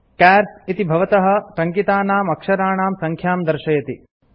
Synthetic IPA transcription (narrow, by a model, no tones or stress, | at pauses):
kæːɾsit̪ibʱɐʋɐt̪ɐɦɐ̆ʈ̪ɐŋkit̪aːnaːmɐkʂɐɾaːɳaːmsɐŋkʰjaːmd̪ɐɾʃɐjɐt̪i